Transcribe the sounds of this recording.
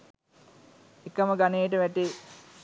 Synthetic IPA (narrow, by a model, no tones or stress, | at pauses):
ekəməɡaneːəʈəʋæʈe